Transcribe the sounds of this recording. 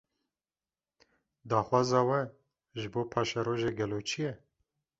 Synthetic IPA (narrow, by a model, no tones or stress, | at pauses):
d̪aːxwɑːzɑːwɛ | ʒɨboːpʰɑːʃaɾoːʒeːɡɛloːt͡ʃʰijɛ